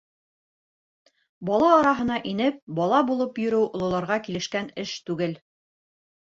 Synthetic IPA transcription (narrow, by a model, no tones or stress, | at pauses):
bɒlˠɑːɾɑɦɤ̆nɑʔinɘp̚bɒlˠɑbulˠɤpjɵ̆ɾɘwʔŏlˠɤ̆lˠɑɾʁɑkilɘ̆ʃkænɘʃt̪ʉɡɘl